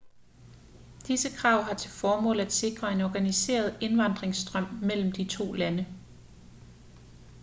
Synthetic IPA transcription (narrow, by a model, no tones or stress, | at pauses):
d̥isəkʰʁɑ̈ʊ̰ɦɑ̈t͡sʰe̝lfɒːmɔ̰̽ːlæd̥se̝ɡ̥ʁɐe̝nɒːɡ̥ænise̝̰ːɐð̞̩ˠe̝nʋɑ̈nd̥ʁeŋsd̥ʁɶm̰mel̰m̩d̥it͡sʰo̝̰ːlænə